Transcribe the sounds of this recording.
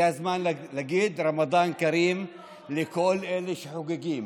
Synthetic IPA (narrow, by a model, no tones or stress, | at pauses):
azmaːnllaɡiːd̪ɾˤɑmɑd̪ˤɑːnkaɾiːm | lɪkolːʔelɪʃħʊɡɪɡiːm